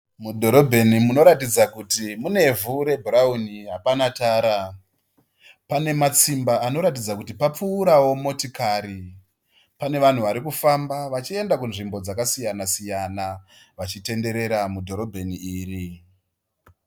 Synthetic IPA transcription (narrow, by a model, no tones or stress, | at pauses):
mudʱo̞ɾo̞bʱe̞nimuno̞ɾatid͡zakutimune̞vuɾe̞bʱuɾauniɦapanataːɾa | pane̞mat͡simbaːno̞ɾat̬id͡zakutipap͡fuːɾawo̞mo̞tikaɾi | pane̞ʋan̤uʋaɾikufambaʋat͡ʃie̞ndakunʐimbo̞d͡zakasijanasijanaʋat͡ʃite̞nde̞ɾe̞ɾamudʱo̞ɾo̞bʱe̞niiːri